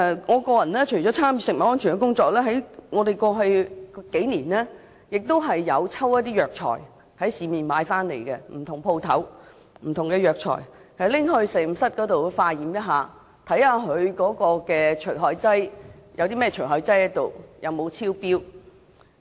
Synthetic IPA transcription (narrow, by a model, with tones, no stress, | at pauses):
ŋɔː˨˧kɔː˧jɐ˨˩nlɛː˥t͡ʃʰɵ˨˩jt͡ɕɔː˨˥t͡sʰaː˥mjyː˨sɪ˨k̚mɐ˨˩tŋɔː˥nt͡ʃʰy˨˩kɛ˧kʊ˥ŋt͡sɔː˨˧k̚lɛː˥ɦɐ˨˥jŋɔː˨˧d̪e˨jkɔː˧ɦɵ˧kke˨˥jniː˨˩nlɛː˥ | jɪ˨k̚t̪o˥wɦɐ˨jːɐ˨˧wt͡sʰɐ˥wjɐ˥t̪̬iː˥jœː˨k̚t͡ʃʰɔ̰ː˨˩j | hɐ˨˥jsiː˨miː˨˩nmaː˨˧jfaː˥nlḛ˨˩jkɛ˧m̩˨˩t̪ʰʊ˨˩ŋpʰo˧wt̪ʰɐ̰˨˥w | m̩˨˩t̪ʰʊ˨ŋkɛː˧jœː˨k̚t͡ʃʰɔ̰ː˨˩jhɐ˨jlɪ˥ŋɦɵ˧ɥsɛː˨˩˨sɐ˥t̚kɔː˨˥t̪o˨wfaː˧jiː˨˥mjɐ˥t̚ɦaː˨˧ | t̪ʰɐ˨˥jhaː˧ɦɵ˨˧ɥkɔː˨˥kɔː˧kɛː˧t͡ʃʰɵ˨˩ɥɦɔː˧jt͡sɐ˥jjɐ˨˧wt̪iː˥mɛː˥ɛ˨t͡ʃʰɵ˨˩ɦɔː˨˧jt͡sɐ˥jɐ˨˥t̪o˨˩wjʔɐ̰˨˧wmo˨˧wt͡sʰiː˥wpiː˥w